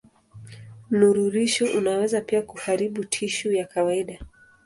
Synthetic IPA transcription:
nuɾuɾiʃɔʔunawɛzapiakuhaɾiɓutʰiʃujakawaiɗa

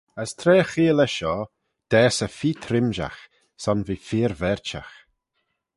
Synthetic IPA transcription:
əst̪ʰɾeːxiːlɛʃɔː | d̪̥ɛːsəfiːt̪ʰɾɪmʒa̰x | sɔnviːfiːɾvɛɹt͡ʃa̰x

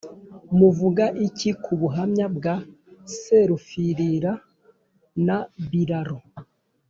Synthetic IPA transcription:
muvuɡaʔicikʰuβuɦamɲab̚ɡaseɾufiɾiɾa | naβiɾaɾo

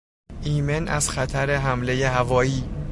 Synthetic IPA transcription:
ʔiːmenʔæ̰zxæt̪ʰæɾeɦæmlejehævɒːiː

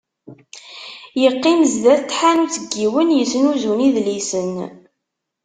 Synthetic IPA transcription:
jəqːimzðæθt̪ːħanut͡səɡːiwənjəsənuzuniðlisən

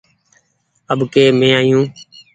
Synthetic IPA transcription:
əbkeːmẽːaːjũː

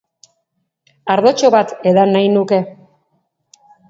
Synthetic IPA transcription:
aɾðo̞t͡ʃo̞βat̪e̞ðanajnuke̞

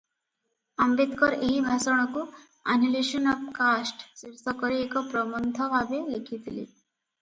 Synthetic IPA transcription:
ambet̪kɔɾeɦibʱasɔɽ̃ɔku | a̰nileʃɔnɔpkasʈsiɾsɔkɔɾiːkɔpɾɔmɔnt̪ʰɔʋabelekʰit̪ʰilḭ

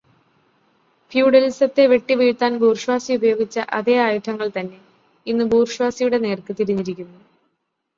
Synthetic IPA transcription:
fjuːɽɐlisɐt̪ːe̞ʋe̞ʈːiʋiːɻt̪ːaːnbuːrɕwaːsiubɐjo̞ːɡit͡ɕːɐʔɐðe̞ːaːjuʈʰːɐŋːɐɭt̪ɐnːe̞ | inːɨbuːrɕwaːsijuɽe̞ne̞ːrkɨt̪iɾuɲːiɾikʲːunːu

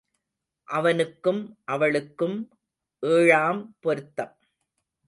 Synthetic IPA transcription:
ʔɐʋɐnɯkːɯmʔɐʋɐɭɯkːɯm | ʔeːɻaːmpɔɾɯt̪ːɐm

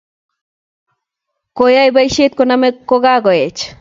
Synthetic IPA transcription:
kojajbajʃet̪̚konamekoɡaɡoet͡ʃ

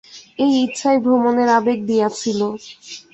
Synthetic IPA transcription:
ejitːɕʰaebʱomoneɾabek̚d̪ijat͡ɕʰilo

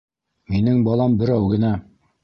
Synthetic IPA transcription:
minɘŋbɑlˠɑmbɘ̆ɾæwɡɘ̆næ

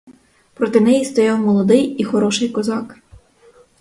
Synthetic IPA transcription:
pɾɔt̪ɪnɛjist̪ɔjɑwmɔlˠɔd̪ɪjixɔɾɔʃɪjkɔzɑk

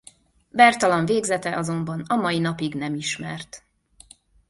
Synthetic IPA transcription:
bɛrt̪ɒlɒɱveːɡzɛt̪ɛʔɒzo̞mbɒnɒmɒjinɒpiɡnɛmiʃmɛ̰rt̪

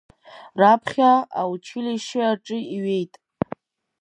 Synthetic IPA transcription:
rapʰχʲaa̰wt͡ʃʰɪlijʃɪaʈ͡ʂʼɨiɥe̞jtʼ

